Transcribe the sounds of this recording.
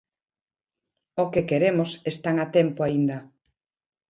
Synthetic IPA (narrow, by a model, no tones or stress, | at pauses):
okekeɾemosest̪aŋat̪ɛmpoaind̪ɐ